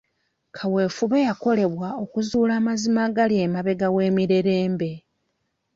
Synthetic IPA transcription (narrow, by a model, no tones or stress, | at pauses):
kʰawe̞ːfuβe̞jako̞le̞βwao̞kuzuːlaːmazimaɡalje̞ːmaβe̞ɡawe̞ːmiɾe̞ɾe̞ːmbe̞